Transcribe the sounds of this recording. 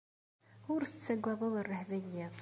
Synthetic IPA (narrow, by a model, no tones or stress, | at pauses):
ʊɾθət͡sːæɡʷːæðˤəðˤərːəħvænːiðˤ